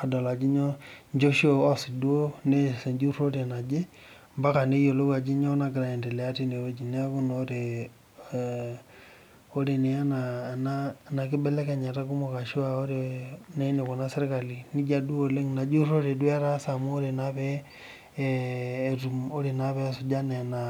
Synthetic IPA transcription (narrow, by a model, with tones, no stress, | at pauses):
a˨dɔ˨la˨d͡ʒi˦ɲo˦ɲd͡ʒo˦ʃo˦ɔ˦si˨du˦o˦ne˦˨se˨d͡ʒu˦ɾo˦ɾe˨na˨d͡ʒe˦ | mba˦ka˨ne˦jo˨lo˦ka˨d͡ʒi˦ɲo˦na˨ɡɾa˨i˨nde˨lɛ˨a˦ti˦ne˨ɾo˦d͡ʒi˨n˦a˦ku˦no˦ɾe˨ | o˦ɾe˨ne˨a˦na˨nana˨ki˦bɛ˦lɛ˦ke˨ɲa˨ta˦ku˦mo˨ka˨ʃi˦ao˦ɾena˦i˦ne˨ko˨na˦se˦ɾka˨li˨ni˦d͡ʒa˦du˦o˨le˦ŋna˨d͡ʒu˦ro˦ɾe˨dwa˦ɾa˦sa˨mu˦o˦ɾe˨naβɛ | tu˨mo˦ɾe˨naβɛ˦su˨d͡ʒa˦nɛ˨na